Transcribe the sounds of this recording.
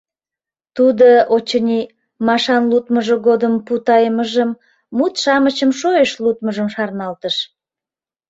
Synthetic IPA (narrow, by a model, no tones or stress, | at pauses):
t̪ud̪oot͡ɕənʲi | mɑʃɑnlut̪məʒəɣod̪əmput̪ɑjəməʒəmː | ut̪ʃɑmət͡ɕəmʃojəʃlut̪məʒəmʃɑrnɑlt̪əʃ